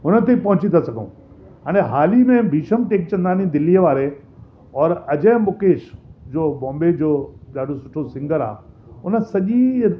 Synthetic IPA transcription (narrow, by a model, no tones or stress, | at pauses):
ɦʊnət̪epɐ̃ɦʊ̃t͡ɕit̪ʰasɐɡʱəṵ̃ː | ãːñẽɦaːlimẽbʱiːʃəmʈeːk̚t͡ɕɐ̃nd̪aːnid̪ɪlijəʋaːɾe | ɔːɾɐd͡ʑeːmʊkeːʃd͡ʑoːbɔ̃ːmbed͡ʑoːɗaːɗosʊʈʰosɪ̃ŋɡəɾa̰ːɦʊnə̆sɐʄi